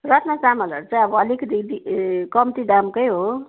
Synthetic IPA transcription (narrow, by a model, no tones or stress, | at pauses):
rʌt̪ʰnʌsamʌlʌ̰ɾt͡sãj̃ʌbʌʌlekd̪id̪ikʌmt̪id̪amkʌjɦo